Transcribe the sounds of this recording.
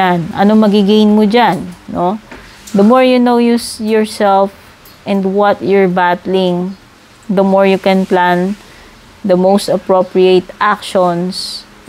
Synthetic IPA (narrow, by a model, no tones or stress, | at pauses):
anʔɐ̰nomɐɡɪɡejnmod͡ʒanːo | d̪ɐmɔɹjunowjujɔɹsɛlf | ʔɛ̃nd̪wɔt̪jɔɹbat̪lɪ̃ŋ | d̪ɐmɔɹjʊkɛ̃nplãn | d̪ɐmowst̪ɐpɹopɹiet̪ʔak̚ʃɔns